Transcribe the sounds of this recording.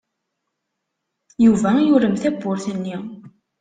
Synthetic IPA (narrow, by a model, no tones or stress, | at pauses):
juvæjʊɾəmθæbːʊɾθənːi